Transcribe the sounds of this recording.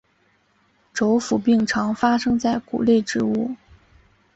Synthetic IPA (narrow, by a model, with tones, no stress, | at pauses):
ʈ͡ʂo˧˥ʊfu˨˩pi˥˩ŋʈ͡ʂʰɑ˧˥ŋfa˥ʂɤ˥ŋt͡sa˥˩ɪkṵ˨˩le˥˧ɪʈ͡ʂɻ̩˧˥u˥˩